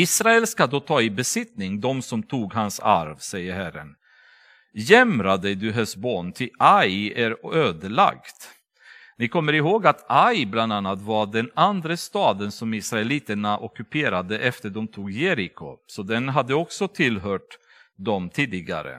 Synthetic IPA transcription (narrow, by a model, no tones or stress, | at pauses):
iːsɾaɛlskad̪oːt̪ʰɑːɪbɛsɪt̪nɪŋd̪ɔmsɔmt̪ʰuːɡɦansa̰ɾvsɛjːəɾhæɾːə̰n | jɛmɾad̪ɛjd̪ʉɦɛsboːnt̪ʰɪajæɾøːd̪əla̰kt̪ | nɪkʰɔmːəɾɪɦoːɡat̪ajbland̪anːat̪vaɖɛnand̪ɾəst̪ɑːd̪ənsɔmɪsɾaɛliːt̪əɳaʔɔkɵpʰeːɾad̪əʔɛft̪əɖɔmt̪ʰuːɡjeːɾɪkʰʊ̰sɔd̪ɛnɦad̪ːəɔksɔt̪ʰɪlɦœːʈ | d̪ɔmt̪ʰiːd̪ɪɡa̰ɾə̰